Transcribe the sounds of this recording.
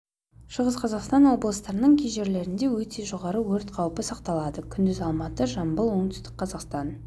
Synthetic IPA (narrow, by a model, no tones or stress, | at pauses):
ʃəʁəzqʰɑzɑqst̪ɑnwo̞blˠəst̪ɑɾənəɴkʲʰejʒe̞ɾle̞ɾɪnd̪e̞wɵt̪e̞ʒo̞ʁɑɾəwɵɾt̪qʰɑwpəsɑqt̪ɑlˠɑd̪əkʲʰʏnd̪ɪzɑlˠmɑt̪əʒɑmbəlˠwo̞ɴt̪ʏ̥st̪ɪ̥k̚qʰɑzɑqst̪ɑn